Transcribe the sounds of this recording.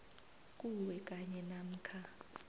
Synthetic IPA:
k̬ʼuwɛk̬ʼaɲɛnam̩ːkʰa

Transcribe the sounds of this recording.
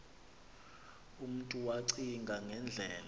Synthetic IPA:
um̩tʼuwaǀiŋɡʱaŋʱɛnd͡ɮʱɛːl

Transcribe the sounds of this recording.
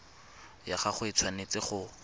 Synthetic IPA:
jaχaχʊɪt͡sʰwanet͡sɪχʊ

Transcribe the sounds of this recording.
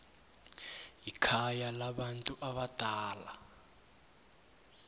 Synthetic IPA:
jikʰajalaɓantʼuʔaɓad̥ʼʱaːla

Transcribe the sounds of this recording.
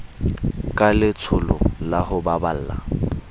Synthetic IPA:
kʼalɪt͡sʰʊlʊ̰lahʊbabal̩ːla̰

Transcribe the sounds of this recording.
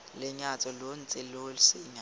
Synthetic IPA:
lɪɲat͡sʼɔlon̩t͡sʼɪlolɪsɪɲa

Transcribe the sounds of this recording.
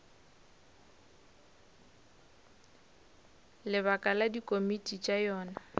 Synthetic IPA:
lɪβakʼaladikʼomitʼit͡ʃʼajɔːna

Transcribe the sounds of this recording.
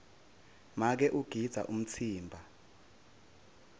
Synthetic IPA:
mak̬ɛʔuɡ̥ʱid̥z̥ʱa̰ʔum̩t͡sʰiːmbʱa

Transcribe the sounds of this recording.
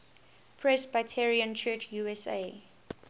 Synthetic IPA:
pʰɹɛsbaɪtʰɛɹiə̃nt͡ʃʰɜt͡ʃjuɛsḛ

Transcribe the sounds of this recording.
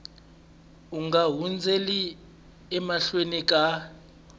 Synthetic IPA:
uŋɡaɦund͡zʱeli | ɛmaɬwenik̬ʼa

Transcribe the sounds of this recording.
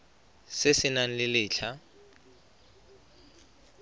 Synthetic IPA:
sɪsɪnan̩lɪlɪːɬʰa

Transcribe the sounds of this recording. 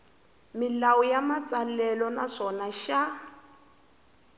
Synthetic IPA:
mɪlawɔjamat͡sʼalɛlɔnaʂɔnaʃa

